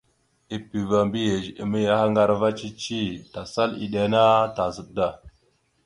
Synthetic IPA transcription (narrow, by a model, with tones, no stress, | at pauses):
i˨pi˨va˨mbi˦je˨d͡ʒḭ˨mi˦ja˦ha˦ŋɡa˦ɾva˦t͡ʃi˦t͡ʃi˦ta˨sa˦lḭ˨ɗe˨˦na˦ta˨zə˨ɗda˦˨